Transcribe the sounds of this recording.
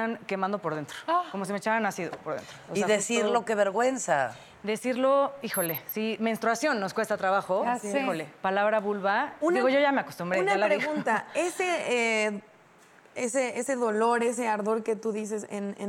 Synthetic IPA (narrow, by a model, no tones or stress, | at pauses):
ankemãnd̪o̞po̞ɾðe̞nt̪ɾoko̞mos̬imet͡ʃaanasiðopoɾðent̪ɾoosiðesiɾllokeβeɾɣwe̞nsa̰ | d̪e̞siɾlo̞ixo̞le̞simenst̪ɾuasjo̞nːo̞skwe̞st̪at̪ɾaβaxo̞xolepalaβɾaβulβaud̪iɣo̞ʝo̞ʝame̞akost̪ũmbɾenaalaɾeɣunt̪aesee | eseeseðo̞loɾe̞s̬e̞aɾðo̞ɾke̞t̪uðis̬e̞sḛnḛ